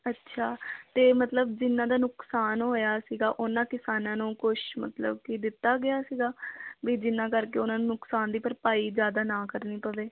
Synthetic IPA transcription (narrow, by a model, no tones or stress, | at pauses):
ətːʃʰaːt̪eːmət̪ləb̚d͡ʒɪnːãːd̪aːnʊksaːnɦoːjaːsiːɡaːʔʊnãːkɪsaːnãːnũːkʊʃmə̰t̪lə̰b̚kid̪ɪt̪ːaːɡɪaːsiːɡaːbiːd͡ʒɪnːãːkəɾkeːʊnãːnũːnʊksaːnd̪iːpəɾpaːiːd͡ʒjaːd̪aːnãːkəɾniːpəʋeː